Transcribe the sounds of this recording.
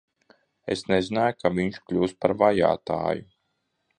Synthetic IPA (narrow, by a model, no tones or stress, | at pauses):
ḛsnezinaːjukʰaviɲʃklʲuːspaɾvaja̰ːt̪a̰ːju